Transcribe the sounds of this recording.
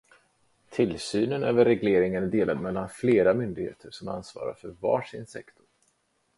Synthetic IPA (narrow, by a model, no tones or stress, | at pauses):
t̪ʰɪlsyːnənøːvəɾːɛɡleːɾɪŋənd̪eːlad̪mɛlːanfleːɾamʏnd̪ɪɡhḛːt̪ʰəɾʂɔma̰nsvɑ̰ːɾa̰ɾfœɾvɑ̰ːʂɪnsɛ̰kt̪ʰʊ̥ɾ